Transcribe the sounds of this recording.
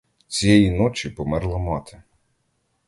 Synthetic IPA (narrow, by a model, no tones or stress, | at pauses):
t͡sʲijɛjinɔt͡ʃʲipɔmɛɾlˠɐmɑt̪ɪ̥